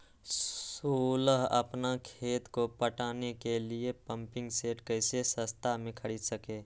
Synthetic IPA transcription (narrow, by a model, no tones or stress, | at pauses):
suːləɦə̰pnakʰeːt̪kopəʈaːnekeliepə̃mpɪ̃ŋɡseːʈkəɪsesəst̪ʰamẽkʰəɽiːd̪səkeː